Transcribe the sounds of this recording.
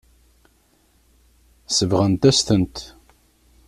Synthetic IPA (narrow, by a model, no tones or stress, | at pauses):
səvʁənt̪æst̪ənt̪